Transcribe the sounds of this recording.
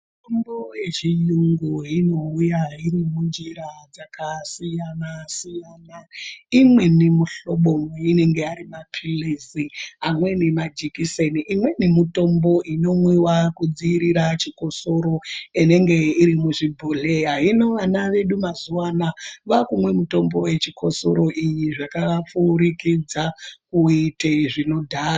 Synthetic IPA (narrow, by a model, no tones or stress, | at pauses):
mutombojet͡ʃijuŋɡuɦino̞ujaɦiɾimund͡ʒiɾad͡zakasijanasijanaimwe̞nimuɬo̞ɓomine̞ŋɡe̞aɾimapʰilisiamwe̞nemad͡ʒikiseniʔimwe̞nimuto̞mbo̞ino̞mwewakud͡ziiɾiɾat͡ʃiko̞so̞ɾo̞ine̞ŋɡe̞iɾimuʐibʱoɮeɦaɦino̞ʋanaʋe̞ɗumazuwanaʋakumwe̞muto̞mbo̞we̞t͡ʃikʰo̞so̞̰ɾo̞ʔijiʐakaʋafuɾikid͡zakuiteʐino̞dʱaːr